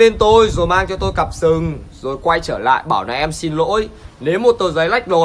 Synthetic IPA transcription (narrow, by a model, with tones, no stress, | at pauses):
e˧nt̪o˧jzo˨˩jmaː˧ŋt͡ɕɔ˧t̪o˧jkə˨˩p̚sɨ˨˩ŋzo˨˩jkwa˧jt͡ɕəː˧˩la̰ː˧˨jɓaː˧˩wna˨˦ʔɛ˧msi˧nlo̰˧˥jne˨˦wmo˨˩t̚t̪o˧˩zə˨˦jla˦˥jk̟̚lo˨˩